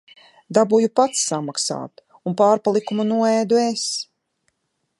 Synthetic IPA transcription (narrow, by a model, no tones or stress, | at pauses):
d̪abujupat̪sːamaksa̰ːt̪ | unpaːɾpalˠikumunuɔɛːd̪ues